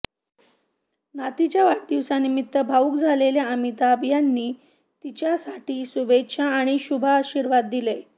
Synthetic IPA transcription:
nat̪it͡ɕjaʋaʈd̪iʋsanimit̪ːəbʱauːkd͡zʱaleljaəmit̪aːbjanːiː | t̪it͡ɕjasaʈiːsubet̪ɕʰaːɽ̃iɕubʱaːɕiɾʋad̪ːile

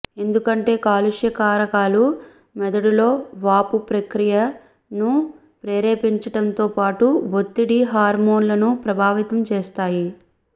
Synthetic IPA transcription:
e̞nd̪ukɐɳʈe̞ːkaːluʂjɐkaːɾɐkaːlu | mɛd̪ɐɽulo̞ːʋaːpupɾɐkɾijɐ | nu | pɾeːɾeːpiɲt͡ʃɐʈɐnt̪o̞ːpaːʈuʋot̪ːiɽiɦaːɾmo̞ːnlɐnupɾɐbʱaːʋit̪ɐmt͡ʃeːst̪aːji

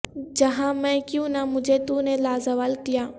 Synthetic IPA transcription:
d͡ʑɐɦãmɛ̃kjũnamʊ̃d͡ʑʱet̪unẽlaːzɐʋaːlkijãː

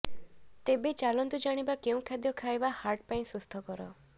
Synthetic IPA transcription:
t̪ebet͡ʃalɔnt̪ud͡ʒaɽ̃ibakeũkʰad̪jɔkʰaebahaɾʈpaĩsust̪ʰɔkɔɾɔ

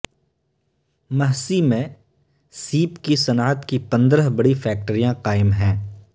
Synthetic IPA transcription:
mɐɦsimẽ | siːpkisɐnaːt̪kipɐ̃nd̪ɾəɦbɐɽifʰɛːk̚ʈəɾijãqaːɪmɦɛ̃ː

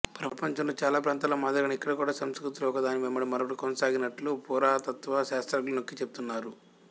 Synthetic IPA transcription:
pɾɐpɐɲt͡ʃɐmloːt͡ʃaːlaːpɾaːnt̪aːlɐmaːd̪ɐɡɐnɐikːɐɽɐkuːɽaːsɐmskɾut̪ulɐɔkɐd̪aːnimemːɐɽimːɐɾɐʋɐʈikonɐsaːɡinɐʈlupuːɾaːt̪ɐt̪ʋɐʃaːst̪ɾɐɡlɐno̞kːit͡ʃeb̚ut̪unːaːɾu

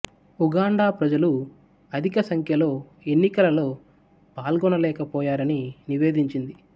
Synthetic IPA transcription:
uɡaːɳɖaːpɾɐd͡ʒɐlu | ɐd̪ʱikɐsɐŋkʰjɐlo̞ː | e̞nːikɐlɐlo̞ː | paːlɡɔnɐlɛːkɐpɔːjaːɾɐniniʋe̞ːd̪iɲt͡ʃind̪i

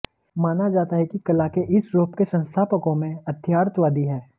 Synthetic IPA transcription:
maːnad͡ʒaːt̪aɦɛkikɐlakeʔɪsɾoːpkesɐ̃nst̪ʰaːpəkõmẽɐd̪ʰʱjaːɾt̪ʋaːd̪iɦɛː

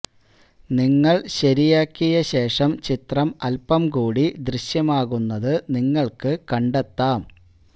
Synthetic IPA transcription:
niŋːɐɭɕɐɾijaːkʲːijɐɕe̞ːʂɐmt͡ɕit̪rɐmɐlpɐmkuːɽid̪riɕjɐmaːɣunːɐðɨniŋːɐɭkɨkɐɳɖet̪ːaːm

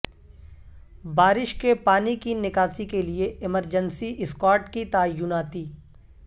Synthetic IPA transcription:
baːɾɪʃkepaːnikinɪkaːsikelieɪməɾd͡ʒənsiʔɪskaːɾʈkit̪aːjːʊnaːt̪iː

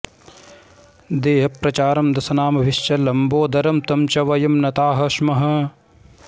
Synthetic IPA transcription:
d̪eːɦɐpɾɐt͡ʃaːɾɐmd̪ɐsɐnaːmɐʋɪʃt͡ʃɐlɐmboːd̪ɐɾɐmt̪ɐmt͡ʃɐʋɐjɐmnɐt̪aːɦɐʃmɐɦɐ̆

